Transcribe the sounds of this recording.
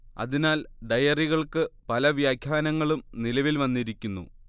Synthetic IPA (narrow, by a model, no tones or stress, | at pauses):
ɐ̰ðinaːlɖɐjɐriɣɐɭkɨpɐlɐʋjaːkʰjaːnɐŋːɐɭumnilɐʋilʋɐnːiɾikʲːunːṵ